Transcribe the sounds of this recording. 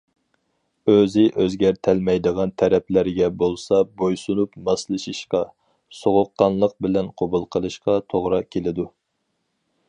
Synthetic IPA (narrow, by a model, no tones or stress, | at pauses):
øzɪʔøzɡʲɛɾt̪ʰɛlmɛjd̪əʁɑnt̪ʰɛɾɛpʰlæɾɡʲɛbolˠsɑbojsunupmɑslˠɨʃiʃqɑ | soʁʊqːɑnlˠəq̚bɪlɛnqʰobulˠqʰəlˠɨʃqɑt̪ʰoʁɾɑkʲʰelɪd̪u